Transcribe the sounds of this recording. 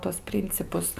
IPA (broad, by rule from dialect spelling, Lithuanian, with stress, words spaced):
tuɔs ˈpʲrʲɪnʲt͡sʲɪpʊs